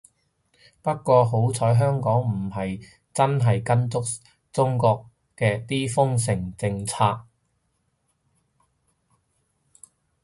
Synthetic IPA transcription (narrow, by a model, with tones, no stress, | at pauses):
pɐ˥t̚kʷɔː˧ɦo˨˥wt͡sʰɔː˨˥jɦœː˥ŋkɔː˨˥ŋm̩˨˩ɦɐ˨j | t͡sɐ˥nɦɐ˨jkɐ˥nt͡sʊ˥k̚ | t͡sʊ˥ŋkɔː˧k | kɛː˧t̪iː˥fʊ˥ŋs̬ɪ˨˩ŋt͡sɪ˧ŋt͡sʰaː˧k̚